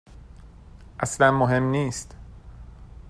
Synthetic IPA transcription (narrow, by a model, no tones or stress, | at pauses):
ʔæslænmoɦe̞mniːst̪